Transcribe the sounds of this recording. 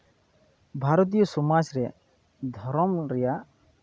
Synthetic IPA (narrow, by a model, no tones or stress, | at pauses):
bʱaɾɔt̪̬ijɔsɔmad͡ʒɾɛ | d̪ʱɔɾɔmɾɛja